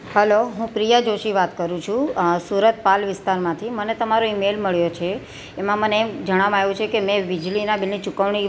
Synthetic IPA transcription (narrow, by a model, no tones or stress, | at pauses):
həloɦũpɾijad͡ʒoʃiʋat̪kəɾũt͡ʃʰũsuɾət̪̚palʋɪst̪aɾmãt̪ʰimənet̪əmaɾoimelməɭjot͡ʃʰeː | mãməned͡ʒəɽ̃ʋamajũt͡ʃʰekemɛ̃ʋid͡ʒlinabilːit͡ʃukəʋɳ̃i